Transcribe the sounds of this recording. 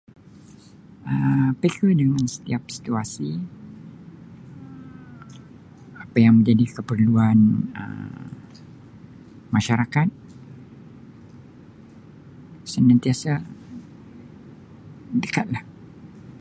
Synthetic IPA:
əpekədəŋansə̥t̪iap̚si̥t̪uasi | ə | apajaŋmə̃ɲd͡ʒadikəpərluanə̰ | maʃaɾakat̪̚ | sənãnt̪iasa | dəkat̪̚lah

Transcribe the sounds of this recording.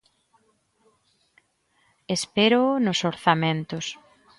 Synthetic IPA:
espeɾonʊsoɾθamẽnt̪ʊs

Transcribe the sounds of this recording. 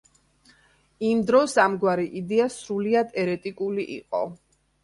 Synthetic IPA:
imd̪ɾɔsamɡwaɾiʔid̪ɛasɾuliad̪ɛɾɛt̪ʼikʼuliʔḭqʼɔ̰

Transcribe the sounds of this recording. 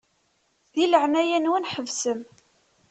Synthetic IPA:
ðiləʕnæjænwənħəvsəm

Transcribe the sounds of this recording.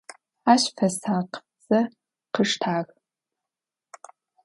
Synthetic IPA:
aːɕfɐsaːqt͡sʼɐ | qəʂtʰaːɣ

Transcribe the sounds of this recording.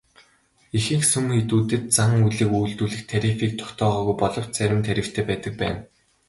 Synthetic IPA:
ixɘ̆xsɵmxet̪uːt̪ɘ̆t̪̚t͡saŋuɮɘ̆kuːɮt̪uːɮɘ̆xt̪ʰæɾʲifiːk̚t̪ʰʊ̥kt̪ʰɔːʁɔːɣujpɔɮɞ̆w̥t͡ɕt͡sæɾʲɪ̆mt̪ʰæɾʲɪ̆w̥t̪ʰeːpæːt̪ə̆k̚pæ̰ːn

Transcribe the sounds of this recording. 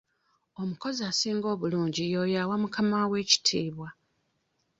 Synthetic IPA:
o̞muko̞ziasiːŋɡo̞ːβuluːɲɟijo̞ːjawamukamawe̞ːci̥tʰiːβwa

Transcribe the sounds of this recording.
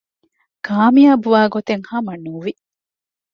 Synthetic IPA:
kaːmijaːbuʋaːɡot̪eŋhɐmɐnuːʋi

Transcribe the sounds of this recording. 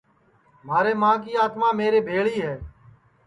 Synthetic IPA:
maːɾeːmãːkiːaːt̪maːmeːɾeːbʱeːɭiːɦɛː

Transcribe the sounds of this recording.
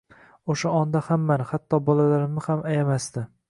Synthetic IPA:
oʃaɒnd̪ahamːanɪhat̪ʰːɒbɒlalaɾɪmnɪhamajamast̪ɪ

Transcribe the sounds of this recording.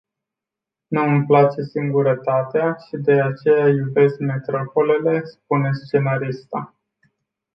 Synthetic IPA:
nuɨmplat͡ʃe̞siŋɡuɾət̪at̪eaʃid̪e̞at͡ʃe̞jajube̞skme̞t̪ɾo̞po̞le̞le̞sp̚une̞st͡ʃe̞naɾist̪a

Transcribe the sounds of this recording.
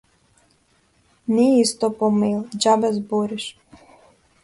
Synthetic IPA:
niist̪ɔpɔmelˠd͡ʒabɛzboɾiʃ

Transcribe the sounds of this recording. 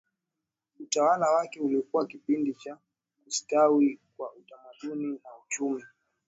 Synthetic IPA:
utawalawakɛulikuwakipindit͡ʃa | ustawikwa̰utamaɗuninaut͡ʃumi

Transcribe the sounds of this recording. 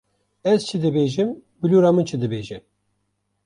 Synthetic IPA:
ɛzt͡ʃʰid̪ɨbeːʒɨmbɨluːɾɑːmɨnt͡ʃʰɨd̪ɨbeːʒɛ

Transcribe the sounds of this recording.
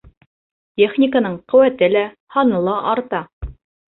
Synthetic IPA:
tʲeχnʲɪkənɤɴqɵ̆wæt̪ɘlæ | hɑnɤlˠɑʔɑɾt̪ɑ

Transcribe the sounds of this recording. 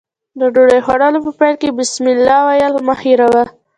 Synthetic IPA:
d̪əɖoɖajxwaɽalopəpajlkebɪsmɪlːɑwajalmahiɾawa

